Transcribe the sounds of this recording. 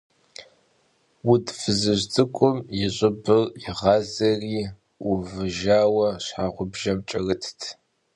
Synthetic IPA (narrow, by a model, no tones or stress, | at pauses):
wudfɨzɨʑt͡sʼɨkʷʼʊmjɪɕʼɪbɨrɪʁɑːzɐriː | uvɨʒaːwɐɕħaːʁʷʊbʒɐmt͡ʃʼɐrɨtʰtʰ